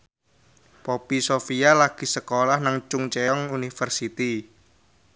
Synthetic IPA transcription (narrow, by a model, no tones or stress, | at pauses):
pɔpisofijalaɡ̥i̤səkolahnaŋt͡ʃʊŋt͡ʃɛɔŋunifərsit̪i